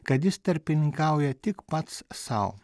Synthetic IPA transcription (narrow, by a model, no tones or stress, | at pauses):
kɐt̪jɪst̪ɐɾʲpʲɪnʲɪŋkɐʊjɛt̪ʲɪkpɐt̪ssɐ̰ʊ